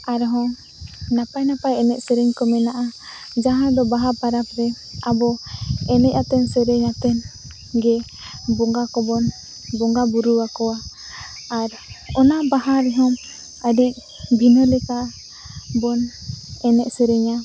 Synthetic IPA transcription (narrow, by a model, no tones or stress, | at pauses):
aɾɦɔ̃ | napajnapajɛnɛʔsɛɾɛɲkɔmɛnaʔa | d͡ʒaɦãd̪ɔbaɦaɾpaɾapɾɛ | abɔɛnɛc̚at̪ɛnsɛɾɛɲat̪ɛn | ɡɛ | bɔŋɡakɔbɔn | bɔŋɡabuɾuwakɔwaː | ɾ | ɔnabaɦaɾɛɦɔm | əɖic̚ | bʱinɔlɛka | bɔnɛnɛʔsɛɾɛɲa